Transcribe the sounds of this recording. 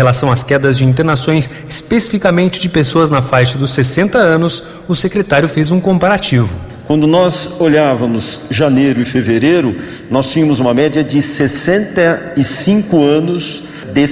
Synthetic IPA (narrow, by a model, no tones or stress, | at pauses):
helasɐ̃w̃askɛd̪ɐzd͡ʒɪĩnt̪eɾnasõj̃s | ɪspesifikamẽnt͡ʃɪd͡ʒɪpesoɐznɐfajʃɐd̪ʊsːesẽnt̪ɐɐ̃nʊs | ʊsekɾet̪aɾjʊfezũkõpaɾat͡ʃivʊ | kwɐ̃nd̪ʊnɔzoʎavɐmʊzʒanejɾʊɪfeveɾejɾʊ | nɔst͡ʃĩɲɐmʊzũmɐmɛd͡ʒiɐd͡ʒɪsesẽnt̪ɐɪsĩŋkʊɐ̃nʊs | d̪e